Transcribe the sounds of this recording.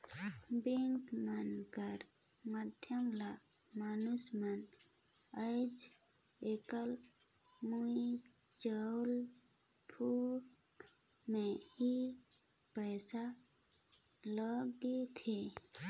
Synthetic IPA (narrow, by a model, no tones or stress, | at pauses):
beŋkmənkəɾ | mad̪ʱjəmla | manusmən | əɪd͡ʒ | ekəl | mui | d͡ʒəwl | pʰuɾ | mehi | pəːsa | ləɡet̪ʰe